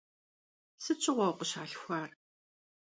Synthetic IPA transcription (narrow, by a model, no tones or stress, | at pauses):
sɨt͡ʃʼɪʁʷɐwqʷəɕaːɬxʷaːr